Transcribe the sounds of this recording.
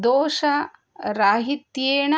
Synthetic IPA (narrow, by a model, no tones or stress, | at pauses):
d̪oːʃɐ | ɾaːɦit̪jeːɳɐ